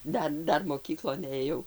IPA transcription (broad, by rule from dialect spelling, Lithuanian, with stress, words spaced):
ˈdɐr ˈdɐr moːˈkʲiːklˠoːn eːˈjɛʊ